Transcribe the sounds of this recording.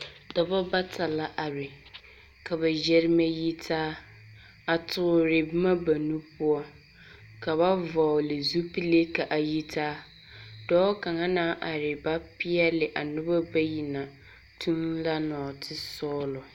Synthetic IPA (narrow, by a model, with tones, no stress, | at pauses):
dɔ˨ba˦ba˦tʰa˨la˦ʔa˨ɾɪ˨ | ka˨ba˨d͡ʒɛ˦ɾɪ˦ma˦ji˦tʰaː˦ | a˨tʰʊ˨ʊ˨ɾɪ˨bɪ˦ma˦ba˨nu˦pʊ˦ɔ˦ | ka˨ba˦vɔ˨lɪ˨zu˦pi˦le˦ka˨ʔa˨ji˦tʰaː˦ | dɔː˦ka˨ŋa˦naː˦ʔa˨ɾɪ˨ba˦pɪ˦ɛ˦lɪ˨ʔa˨nʊ˦ba˦ba˦ji˨na˨ | tʰu˦nla˦nɔː˨tʰɪ˦sɔː˦lɔ˨